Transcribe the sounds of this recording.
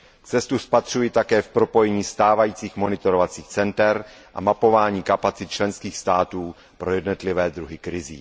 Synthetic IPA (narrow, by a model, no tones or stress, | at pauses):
t͡sɛst̪uspat̪r̝̥ujit̪akɛːfpɾo̞po̞jɛɲiːst̪aːvajiːt͡siːxmo̞nɪt̪o̞ɾovat͡siːxt͡sɛnt̪ɛɾʔa̰mapo̞vaːɲiːkapat͡sɪt̪̚t͡ʃlɛnskiːxst̪aːt̪uː | pɾo̞jɛdnot̪lɪvɛːd̪ɾuɦɪkɾɪzḭː